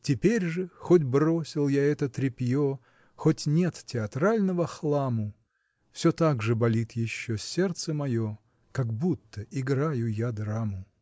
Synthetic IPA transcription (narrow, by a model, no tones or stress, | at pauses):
tʲɪpʲeɾʲʐɨxodʲbrosʲɪlˠjaɛt̪ət̪ɾʲɪpʲjo | xotʲnʲet̪tʲɪɐt̪ɾalʲnəvəxlˠamʊ | fsʲot̪aɡʐɨbɐlʲit̪jɪɕːosʲert̪səmɐjo | kɐɡbut̪ːəʔɪɡɾajʊjad̪ɾamʊ